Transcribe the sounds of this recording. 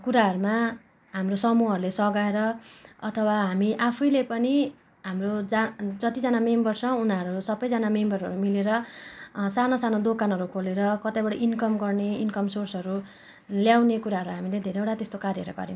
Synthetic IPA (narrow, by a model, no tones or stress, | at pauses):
kuɾaɦʌɾuma | ɦamrosʌmuʌɾulesʌɡaeɾʌʌt̪ʰʌwaɦamiʔapʰʌjlepʌni | ɦamrod͡zad͡zʌt̪id͡zʌnamembʌrsʌ̃unaɾuɾusʌbʌjd͡zʌnamembʌɾɦʌ̰ɾumileɾʌ | sanosanod̪okanɦʌɾukʰoleɾʌkʌt̪abʌɽaʔinkʌmɡʌrneinkʌmsorsʌɾu | ljawnekuɾaɦʌɾuɦamiled̪ʱeɾeeʈat̪est̪okarjʌɾṵɡʌ̰ɾim̃